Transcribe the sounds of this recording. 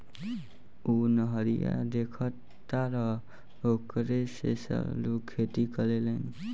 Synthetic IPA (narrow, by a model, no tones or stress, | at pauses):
unʌɦʌɾija̰d̪ekʰɔ | t̪aɾʌ | okɾesesa̰lukʰet̪ikʌlelen